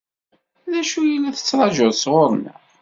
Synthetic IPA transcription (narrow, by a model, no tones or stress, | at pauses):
ðæʃujilːæθə̥t͡sːɾˤɑʒoðsʁoɾˤnə̰